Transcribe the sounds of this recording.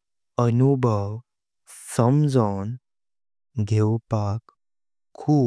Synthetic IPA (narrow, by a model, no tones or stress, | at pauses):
ənubʱəw | səmd͡zan | ɡʱewpak | kʰːuː